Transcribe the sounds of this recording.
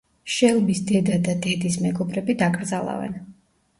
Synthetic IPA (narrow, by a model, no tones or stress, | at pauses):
ʃɛlˠbisd̪ɛd̪ad̪ad̪ɛd̪ismɛɡɔbɾɛbid̪akʼɾd̪zalˠa̰vɛ̰n